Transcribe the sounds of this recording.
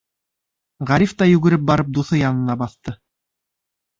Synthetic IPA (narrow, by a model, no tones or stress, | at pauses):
ʁæɾift̪ɑjʉɡɘ̆ɾɘp̚bɑɾɤp̚d̪uθɤjɑnɤ̆nɑbɑθt̪ɤ